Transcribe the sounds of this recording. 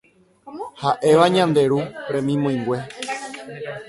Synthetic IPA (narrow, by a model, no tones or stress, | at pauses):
haʔe̞ʋaɲãnd̪e̞ɾuɾẽ̞mĩmõj̃ŋɡʷe̞